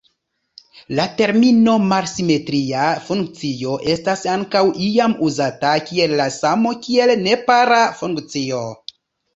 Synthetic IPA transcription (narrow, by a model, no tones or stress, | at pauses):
late̞ɾmino̞malsime̞tɾiafuŋk̚t͡sio̞ʔe̞stasaŋkawʔiamuzatakie̞lːasamo̞kie̞lne̞paɾafuŋkt͡sio̞